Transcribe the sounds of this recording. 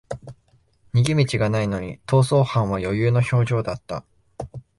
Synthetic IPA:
ɲ̟iɡʲimʲit͡ɕiɡanaino̞ɲ̟ḭt̪o̞ːso̞ːhãɰ̃βajo̞jɯːno̞ço̞ːʑo̞ːd̪at̪ːa̰

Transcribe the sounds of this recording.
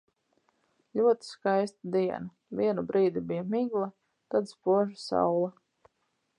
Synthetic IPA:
lʲuɔt̪i̥skajst̪ad̪iɛna | viɛnubɾiːd̪ibijamiɡlˠa | t̪ad̪spuɔʒasa̰wlˠa

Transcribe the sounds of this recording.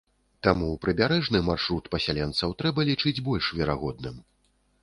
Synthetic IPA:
t̪amupɾɨbʲaɾɛʐnɨmarʂɾut̪pɐsʲalʲɛnt̪sɐwt̪ɾɛbɐlʲit͡ʂɨd͡zʲbɔlʲʂvʲɛɾaɣɔd̪nɨm

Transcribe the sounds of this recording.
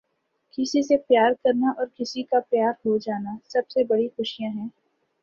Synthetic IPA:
kɪsisepjaːɾkɐɾnaʔɔːɾkɪsikapjaːɾɦod͡ʒaːnasɐbsebɐɽixʊʃijãɦɛ̃ː

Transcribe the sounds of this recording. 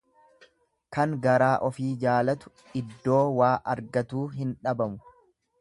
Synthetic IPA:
kɐŋɡɐɾaːʔɔfiːd͡ʒaːlɐt̪ʊ̥ | ɪd̪ːo̞ːwaːʔɐɾɡɐt̪uːɦɪnᶑɐbɐmʊ

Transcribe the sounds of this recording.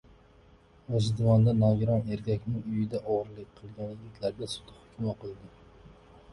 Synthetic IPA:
vad͡ʒɪd̪vɒnd̪anɒɡʲɪɾɒne̞ɾkʲakʲnɪŋʊjɪd̪aʔɒʁɾlɪk̚ʲqʰɨlˠɡʲanɪɡʲɪt̪ʲʰlaɾɡʲasʊ̥t̪ʰɪ̥hʊkʲʰʊmaqʰɨlˠd̪ɪ

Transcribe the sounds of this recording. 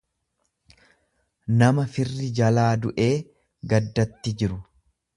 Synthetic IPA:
nɐmɐfɪrːɪd͡ʒɐlaːd̪ʊʔe̞ː | ɡɐd̪ːɐt̪ːɪd͡ʒɪɾʊ

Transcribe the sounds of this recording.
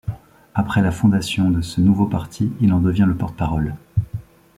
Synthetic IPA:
apχɛlafɔ̃d̪asjɔ̃d̪əsənuvopaʁt̪ʰiilɑ̃d̪əvjɛ̃ləpɔʁt̪ə̥paʁɔl

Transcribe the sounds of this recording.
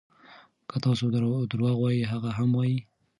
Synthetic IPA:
kət̪ɑsod̪əɾwɑɣwɑjiɦaɣaɦamwɑji

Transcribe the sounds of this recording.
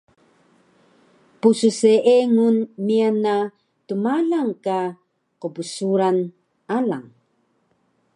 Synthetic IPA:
pususeʔeŋunmiana | tumaɮaŋka | qəbusuɾan | alaŋ

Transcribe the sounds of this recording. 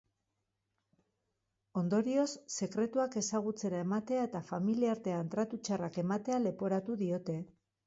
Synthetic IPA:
o̞nd̪o̞ɾio̞sːe̞kɾe̞t̪uake̞saɣ̞ut͡se̞ɾae̞mat̪e̞ae̞t̪afamiliaɾt̪e̞ant̪ɾat̪ut͡ʃarake̞mat̪e̞ale̞po̞ɾat̪uðio̞t̪e̞

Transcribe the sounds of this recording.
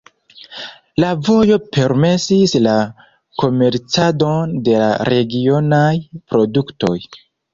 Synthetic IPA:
lavo̞jo̞pe̞ɾme̞sisla | ko̞me̞ɾt͡sado̞nde̞la̰ɾe̞ɡio̞najpɾo̞dukto̞j

